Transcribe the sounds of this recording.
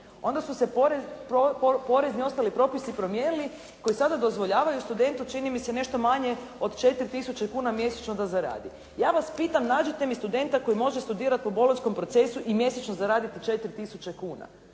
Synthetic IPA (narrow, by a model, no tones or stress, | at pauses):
o̞nd̪asuse̞poɾepppo̞ɾe̞znio̞st̪alipɾo̞pisipɾo̞mje̞nili | ko̞jisad̪ad̪o̞zʋo̞ʎaːʋajust̪ud̪e̞nt̪ut͡ʃinimise̞ne̞ʃt̪o̞maɲe̞ | o̞d̪t͡ʃe̞t̪iɾʲt̪isut͡ʃekuːnamje̞set͡ʃnod̪azaɾa̰ːd̪i | jaːʋaspiːt̪amnaːd͡ʒit̪e̞mist̪ud̪e̞nt̪ako̞jimo̞ʒest̪ud̪iːɾat̪̚po̞bo̞lonsko̞mpɾo̞t̪se̞suʔimje̞set͡ʃnozaɾaːd̪it̪it͡ʃe̞t̪ɾt̪isut͡ʃekuːna̰